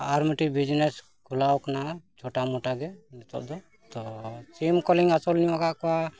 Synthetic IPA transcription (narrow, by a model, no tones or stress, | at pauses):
aɾməʈibid͡ʒnɛs | kulawknat͡ʃʰoʈamɔʈaɡɛnit̪ɔ̰ʔd̪ɔ | t̪ɔsimkɔliŋɡasɔlniakakɔa